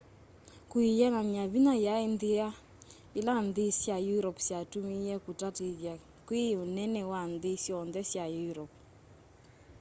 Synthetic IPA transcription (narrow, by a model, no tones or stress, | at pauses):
kuijɛnamjaβinajaendea | elandesjajuɾɔpsjatumijɛkutateðja | kweonɛnɛwandesjɔnðɛsjajuɾɔp